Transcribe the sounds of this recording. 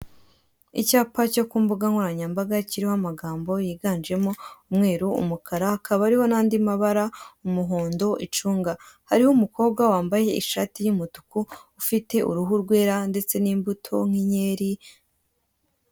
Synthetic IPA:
ḭcaːpacokuːmbuɡaŋuɾaɲambaɡaciɾihoamaɡaːmbo̞jiːɡaːnd͡ʒe̞moumŋe̞ːɾuṵmukʰaɾahakʰaβaaɾiho̞naːndimaβaɾaumuɦoːndo̞ʔit͡ʃuːŋɡahaɾihoumuko̞ːbɡwawaːmbaje̞iʃatijumutu̥kuufite̞ʔṵɾuɦuɾɡwe̞ːɾande̞t͡se̞niːmbutʰo̞ŋ̥iɲe̞ːɾi

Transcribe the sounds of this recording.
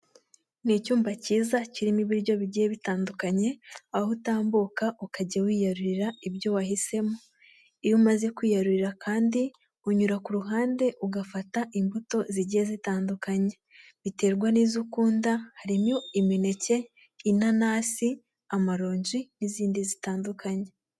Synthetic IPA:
nicuːmbaciːzaciɾimiβiɾɟo̞βiɟijeβitaːndukaɲe̞ahutaːmbukaʔukaɟawiːjaɾuɾiɾaibɟo̞wahise̞mo | ijumaze̞kwiːjaɾuɾiɾakʰaːndi | uɲuɾakuɾuɦaːnde̞ʔuɡafataʔimbuto̞ziɟiezitaːndukaɲe̞ | βite̞ːɾɡwaniːzukuːndahaɾimjoimine̞ce̞ | inanaːsi | amaɾo̞ːɲɟiniziːndizitaːndukaɲe

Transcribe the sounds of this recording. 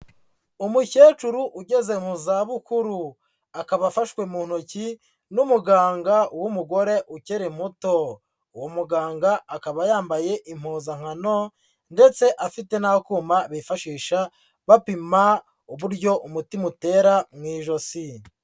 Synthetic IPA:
umuce̞ːt͡ʃuɾuʔuɟe̞ze̞ŋ̥uzaβukuɾu | akaβafaʃwe̞muːn̥oci | numuɡaːŋɡauwumuɡo̞ɾe̞ʔuceɾem̥uto̞ | uwomuɡaːŋɡaːkaβajaːmbaje̞ʔim̥huːzaŋ̥ano̞ | nde̞t͡se̞ʔafite̞nahokuːmaβifaʃiːʃa | βapima | uβuɾɟo̞ʔumutimute̞ːɾamŋiːʒo̞si

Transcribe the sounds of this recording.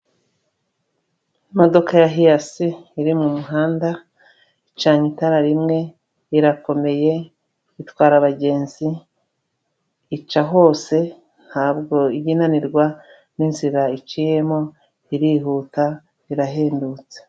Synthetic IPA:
modo̞kajaɦijasiːɾimumuɦaːnda | it͡ʃaːɲitaɾaɾimŋe̞ | iɾako̞me̞je̞ | itwaːɾaβaɟe̞ːnzi | t͡ʃaɦo̞ːse̞ | nhaːbɡo̞iɟinaniɾɡwa | ninziɾait͡ʃije̞mo | iɾiɦuːta | iɾaɦeːndut͡se̥

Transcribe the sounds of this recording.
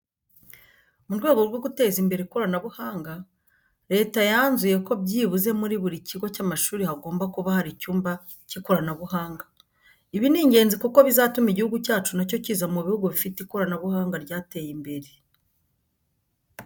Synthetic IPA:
muɾɡwe̞ːɡo̞ɾɡwo̞ɡute̞ːzimbe̞ɾeko̞ɾanaβuhaːŋɡa | ɾe̞ːtajanzuje̞ko̞bɟiːβuze̞muɾiβuɾiciɡwocaːmaʃuːɾihaɡoːmbakuβahaɾicuːmba | ciko̞ɾanaβuhaːŋɡa | iβiniːɲɟe̞ːnzikuko̞βizaːtumiɟihuɡucaːt͡ʃunaco̞ciːzamuβihuɡuβifiteko̞ɾanaβuhaːŋɡaɾɟaːte̞ːjimbe̞ɾe̞

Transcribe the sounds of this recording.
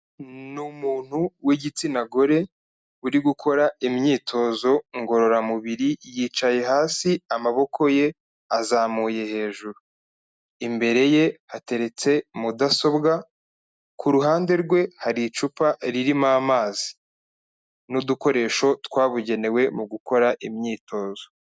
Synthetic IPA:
numuːn̥huwiɟit͡sinaɡo̞ɾe̞ | uɾiɡukʰo̞ɾaimɲiːtʰo̞ːzo̞ŋɡo̞ɾo̞ɾamuβiɾijiːt͡ʃaje̞ɦaːsiamaβo̞kʰo̞je̞ | azaːmuːje̞he̞ːʒuɾu | imbe̞ɾe̞je̞hate̞ɾe̞t͡se̞mudaso̞bɡa | kʰuɾuɦaːnde̞ɾɡwe̞haɾit͡ʃupaɾiɾimaːmaːzi̥ | nuduko̞ɾe̞ːʃo̞tkwaːβuɟe̞ne̞we̞muɡuko̞ɾaʔimɲiːto̞ːzo̞

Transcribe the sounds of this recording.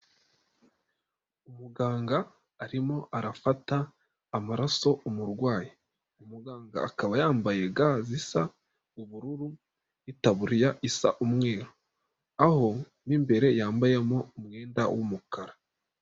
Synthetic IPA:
umuɡaːŋɡaː | ɾimo̞ʔaɾafataː | maɾaso̞umuɾɡwaːji | umuɡaːŋɡa̰ːkaβajaːmbaje̞ɡazisa | uβuɾuɾu | itaβuɾijaʔisa̰ʔumŋe̞ːɾo | aho̞ | nimbe̞ɾe̞jaːmbajemoumŋe̞ːnda̰wumukaɾa

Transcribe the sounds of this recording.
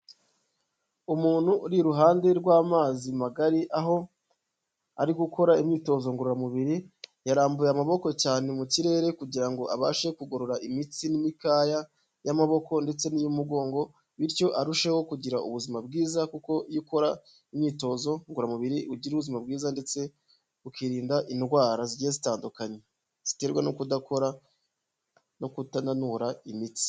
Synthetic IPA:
umuːn̥huɾiɾuɦaːnde̞ɾɡwaːmaːzimaɡaɾiʔaɦo̞ | a̰ɾiɡuko̞ɾaimɲiːto̞zoŋɡuɾuɾamuβiɾijaɾaːmbujeamaβo̞ko̞caːne̞muciɾe̞ːɾe̞kuɟiɾaŋɡo̞ʔaβaːʃe̞kuɡoɾoɾaʔimit͡sinimikaːja | jamaβo̞ko̞nde̞t͡se̞nijumuɡo̞ːŋɡo̞ | βiɾco̞ʔaɾuʃe̞ho̞kuɟiɾaʔṵβuzimabɡiːzakuko̞jiko̞ɾa | imɲiːto̞ːzo̞ŋɡuɾamuβiɾiuɟiɾuβuzimab̚ɡiːzande̞t͡se̞ | ukiɾiːndaʔinɡwaːɾaziɟiezitaːndukaɲe | z̥i̥te̞ɾɡwanukudako̞ɾa | nokutananuɾaimit͡si̥

